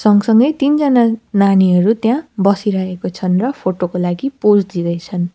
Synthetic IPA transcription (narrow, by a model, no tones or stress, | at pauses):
sʌŋɡsʌŋɡʌjt̪ind͡zʌnananiɦʌɾut̪jãbʌsiɾʌɦekot͡sʰʌnrʌpʰoʈokolaɡiposd̪id̪ʌjt͡sʰʌn